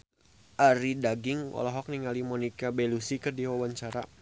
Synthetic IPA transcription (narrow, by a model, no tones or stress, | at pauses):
ʔaɾidaɡɪŋɔ̰lɔɦɔk̚niŋalimɔnikabelusikɨrdiwawaɲt͡ʃaɾa